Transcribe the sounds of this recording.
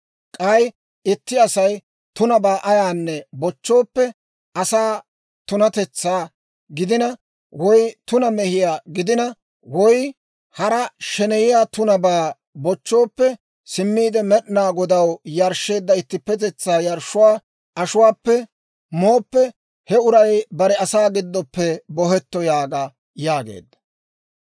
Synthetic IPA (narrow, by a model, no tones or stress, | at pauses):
kʼɐj | ɪt̪ːɪɐsɐj | t̪ʊnɐbaːʔɐjaːnːɛbɔt͡ʃːo̞ːpːɛ | ɐsaː | t̪ʊnɐt̪ɛt͡sːaː | ɡɪd̪ɪnɐ | wɔjt̪ʊnɐmɛhɪjaːɡɪd̪ɪnɐ | wɔj | hɐɾɐʃɛnɛjɪjaːt̪ʊnɐbaː | bɔt͡ʃːo̞ːpːɛ | sɪmːiːd̪ɛmɛɗnaːɡɔd̪ɐwjɐɾʃːe̞ːd̪ːɐɪt̪ːɪpːɛt̪ɛt͡sːaːjɐɾʃʊwaː | ʔɐʃʊwaːpːɛ | mo̞ːpːɛ | hɛʊɾɐjbɐɾɛɐsaːɡɪd̪ːɔpːɛbɔɦɛt̪ːɔjaːɡa | jaːɡḛːd̪ːɐ̥